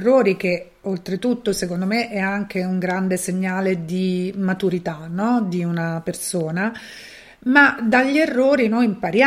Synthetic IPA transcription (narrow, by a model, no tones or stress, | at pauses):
rːoːɾik̟e | olt̪ɾet̪ut̪ːosekond̪omeʔɛaŋk̟euŋɡɾand̪eseɲːaːled̪imat̪uɾit̪anɔd̪iunapersoːna | mad̪aʎːierːoːɾinojimpaɾja